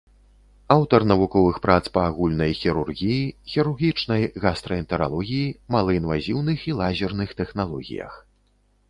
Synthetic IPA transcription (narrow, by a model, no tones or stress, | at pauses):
awt̪ɐrnɐvukɔvɨxpɾat̪spɐːɣulʲnɐjxʲiɾurɣʲijixʲiɾurɣʲit͡ʂnɐjɣast̪ɾɐint̪ɛɾa̰lˠɔɣʲijimalˠɐinvazʲiwnɨxilˠazʲirnɨxt̪ɛxnalˠɔɣʲḭjɐ̰x